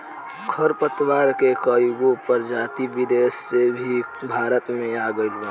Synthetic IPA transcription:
kʰəɾpət̪waːɾkekəjɡõpəɾd͡ʒaːt̪ibɪd̪eːsːebʱi | bʱaːɾət̪mẽaːɡəɽbã

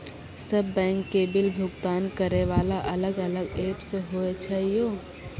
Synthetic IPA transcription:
səbːɛ̃ːŋkːeːbɪlbʱʊɡt̪aːnkəɾeʋaːlaʔɐləɡələɡeːpseɦoet͡ʃʰaːɦijoː

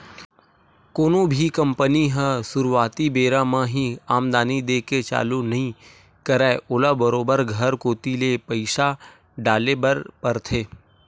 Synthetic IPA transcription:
koːnõbʱikɐ̃mpəniɦɛ̃sʊɾʋaːt̪ibeːɾãmãɦĩaːmd̪aːnid̪eːket͡ʃa̰ːlunɐɦĩ | kəɾaːʔʊːlabəɾoːbəɾɡʱəɾkoːt̪ilepəɪʃa | ɖaːlebəɾpɐɾt̪ʰeː

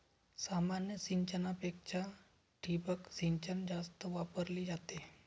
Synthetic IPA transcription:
samanjəsiɲt͡ʃənapekʃa | ʈʰibəksiɲt͡ʃənd͡ʑast̪əʋapəɾliːd͡ʒat̪e

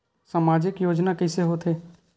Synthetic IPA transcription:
samaːd͡ʒɪkjoːd͡ʒnakəseɦot̪ʰɦeː

